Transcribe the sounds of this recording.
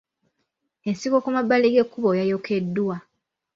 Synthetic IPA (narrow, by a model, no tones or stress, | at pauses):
ensikokumabːaleɡekːuβojajokʰedːuwa